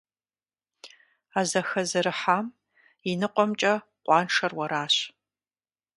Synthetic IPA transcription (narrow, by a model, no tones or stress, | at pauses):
aːzɐxɐzɨɾɨħaːm | inɨqʷʼɔmt͡ʃʼɐ | qʷɑːnʂɐrwɐɾaːɕ